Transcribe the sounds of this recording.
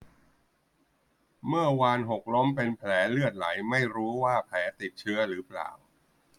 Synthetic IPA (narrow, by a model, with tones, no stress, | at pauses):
mɯ˥˩ɐwaː˧nɦo˨˩k̚lo˦˥mpe˧npʰlɛː˩˦lɯ˥˩ət̪̚la˩˦jma˥˩jɾuː˦˥waː˥˩pʰlɛː˩˦t̪i˨˩t̪̚t͡ɕʰɯ˦˥ɐɾɯː˩˦pla̰ː˨˩w